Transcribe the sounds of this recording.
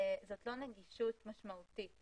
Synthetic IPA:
zot̪lo̞neɡiʃut̪maʃmaut̪it

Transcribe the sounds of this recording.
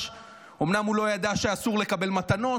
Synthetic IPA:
o̞mnamhulo̞jad̪aʃeasuʁle̞kabe̞lmat̪ano̞

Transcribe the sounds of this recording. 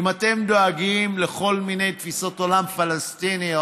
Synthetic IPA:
imat̪e̞md̪oaɡimle̞χo̞lmine̞jt̪fiso̞t̪o̞lamfalest̪ini

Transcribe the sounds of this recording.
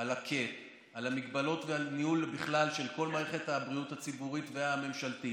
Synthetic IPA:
alakʰe̞t | alamiɡbalo̞tveanihulbiχlalʃe̞lko̞lmaːʁeχethabʁijuthat͡sibuʁitve̞ame̞mʃalti

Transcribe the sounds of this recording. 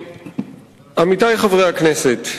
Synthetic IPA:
amitajχavʁejakneset

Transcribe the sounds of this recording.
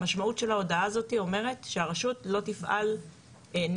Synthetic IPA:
aʃmautʃe̞lao̞daazo̞tio̞me̞ʁe̞tʃeaʁaʃutlo̞tifʔa̰l | en

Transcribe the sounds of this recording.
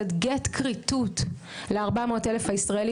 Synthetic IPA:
etɡetkʁitut | leaʁbamo̞ːtelefaisʁaeli

